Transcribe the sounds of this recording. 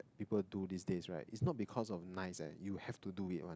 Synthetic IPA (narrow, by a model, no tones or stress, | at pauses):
pipəldudisdesɹa̰ɪtitsnɔt̚bikʰɔsɔfnaɪsɛ̰juhɛftuduitwã̰